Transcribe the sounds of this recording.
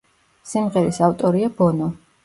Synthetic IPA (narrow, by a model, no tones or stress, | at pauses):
simʁɛɾisaft̪ʼɔɾiab̥ɔnɔ